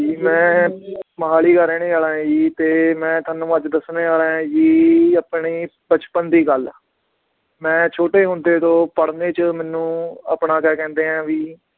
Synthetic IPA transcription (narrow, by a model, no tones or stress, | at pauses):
d͡ʒiːmɛ̃ː | məɦaːliːkəɾẽːnĩːəːlãːd͡ʒiːt̪eːmɛ̃ːt̪ʰaːnũːəd͡ʒd̪əsneːaːɾẽːd͡ʒiːapɳiːbət͡ʃpənd̪iːɡəl | mɛ̃ːt͡ʃʰoːʈeːɦʊnd̪eːt̪õːpəɽneːt͡ʃəmɛːnːũːa̰pɳaːkɛːkɛ̃ːnd̪eːɦãːʋiː